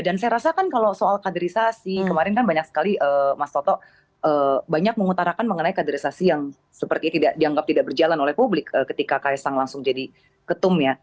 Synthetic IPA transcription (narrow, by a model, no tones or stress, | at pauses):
dansajaɾasakankalosoalkadəɾisasikəmaɾɪnkanbaɲak̚sə̥kaliʔəːmast̪ɔt̪ɔʔ | ʔəːbaɲak̚məŋut̪aɾakanməŋənaikadəɾisasijaŋ | səpərt̪it̪idaʔdiaŋɡap̚t̪idaʔbərd͡ʒalanolɛhpublɪkəːkət̪ikakajasaŋlaŋsʊŋd͡ʒadi | kət̪ʊmja